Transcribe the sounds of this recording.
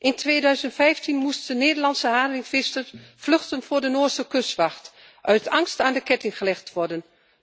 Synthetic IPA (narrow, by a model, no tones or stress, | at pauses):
ʔɪntʰʋeːdœɥzəntfɛjftinmustdəneːdəɹlɑnsəɦaːdrɪŋfɪstərfløxtənvʊːɹdənoːɹsəkøsʋɑxt | ʔœɥtɑŋstaːndəkɛtɪŋχəlɛxtʋɔɹdən